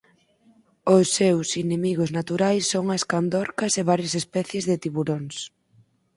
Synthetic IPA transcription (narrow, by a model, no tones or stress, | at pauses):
ʊsːewsinemiɣʊznat̪uɾajsːoŋɐskand̪ɔɾkɐseβaɾjɐsespɛθjezðɪt̪iβuɾoŋs